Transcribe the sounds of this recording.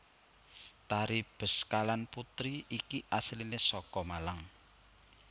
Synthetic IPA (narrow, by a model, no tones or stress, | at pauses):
t̪aɾib̥ə̤skalanput̪ɾiikiʔaslinesɔkɔmalaŋ